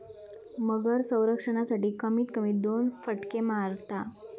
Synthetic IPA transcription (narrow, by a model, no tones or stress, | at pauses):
məɡəɾsə̃w̃ɾəkʂəɳ̃asaʈiːkəmiːt̪kəmiːd̪onfəʈkemaɾt̪a